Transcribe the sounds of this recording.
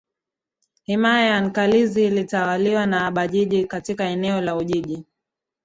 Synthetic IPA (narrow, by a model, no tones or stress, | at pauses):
himaajaŋ̩kalizilitawaliwanaːɓaʄiʄikatikaɛnɛɔlauʄiʄi